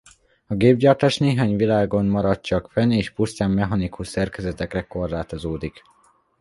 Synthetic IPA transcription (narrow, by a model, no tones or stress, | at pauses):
ɒɡeːbɟɒrt̪aːʃneːɦaːɲvilaːɡo̞nmɒɾɒt̪t͡ʃɒkfɛneːʃpust̪aːmːɛɦɒnikuʃsɛrkɛzɛt̪ɛkrɛko̞rlaːt̪o̞zoːd̪ik